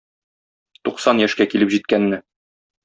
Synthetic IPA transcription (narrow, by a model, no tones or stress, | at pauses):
t̪uqsɑnjæʃkækilɘpʑit̪̚kænːɘ